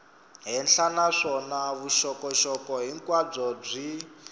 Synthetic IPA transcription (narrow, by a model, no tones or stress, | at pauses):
ɦɛnɬanaʂɔnaβuʃɔkɔʃɔkɔɦiŋkʼwab͡ʐɔb͡ʐi